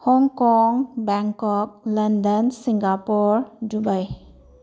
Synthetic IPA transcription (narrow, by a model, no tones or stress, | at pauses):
hɔŋkɔŋbɛŋkɔk̚lɐndənsiŋɡapuɾdubaj